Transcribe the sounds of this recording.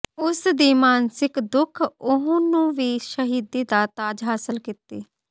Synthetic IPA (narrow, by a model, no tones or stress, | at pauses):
ʊsd̪iːmaːnsɪkd̪ʊkʰʊɦõːnũːʋiːʃəɦiːd̪iːd̪aːt̪aːd͡ʒɦaːsəlkit̪iː